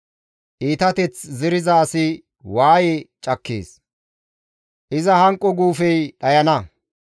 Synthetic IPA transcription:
ʔiːt̪ɐt̪ɛt͡szɪɾɪzɐːsɪ | waːjet͡ʃʼɐkːḛːs | ʔɪzɐhɐŋkʼːɔɡuːfɛjɗɐjɐnɐ

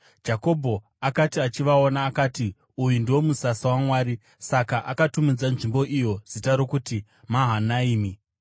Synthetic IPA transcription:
d͡ʒako̞bʱo̞ | akatiat͡ʃiʋao̞naːkaːti | ujundiwo̞musasawamwaːɾi | sakaʔakatumid͡zanʐimbo̞ʔijo̞z̥itaɾo̞kuti | maɦanaiːmi

